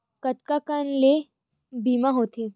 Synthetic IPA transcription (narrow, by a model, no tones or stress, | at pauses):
kət̪kakanle | biːmãɦoːt̪ʰeː